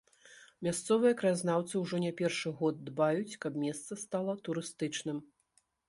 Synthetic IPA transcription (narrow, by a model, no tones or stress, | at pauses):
mʲast̪sɔvɨjɐkɾaznawt̪sɨwʐɔnʲapʲɛrʂɨɣɔd̪ːbajut͡sʲkɐb̚mʲɛst̪sɐst̪alˠɐt̪uɾɨst̪ɨt͡ʂnɨm